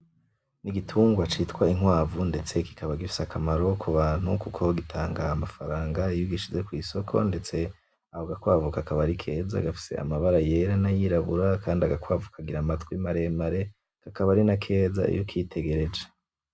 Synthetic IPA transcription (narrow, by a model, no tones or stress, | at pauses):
niɡitʰuːŋɡwat͡ʃitwaiŋwaːvunde̞t͡se̞ki̥kʰaβaɡifi̥sakʰamaɾo̞kʰuβan̥ukukʰo̞ɡitʰaːŋɡaːmafaɾaːŋɡaijuɡiʃize̞kwiːso̞kʰo̞̰nde̞t͡se̞ | ahoɡakwaːvukakaβaɾikʰe̞ːza̰ɡafi̥se̞̰a̰maβaɾaje̞ɾanajiɾaβuɾakʰaːndiaɡakwaːvukʰaɡiɾamatkwimaɾe̞maɾe̞ | kakaβaɾinakʰe̞ːza̰ḭjokʰitʰe̞ɡe̞ɾe̞d͡ʒe̥